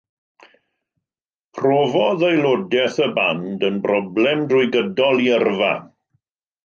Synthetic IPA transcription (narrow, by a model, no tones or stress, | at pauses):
pʰrɔːvɔðejlˠodɛθəbandənbrɔblɛmdrʊjɡədɔlˠiərva̰